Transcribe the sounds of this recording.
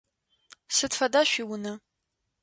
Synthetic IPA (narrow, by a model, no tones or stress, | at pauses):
sɨtfɐdaːɕʷiːwʊnɐ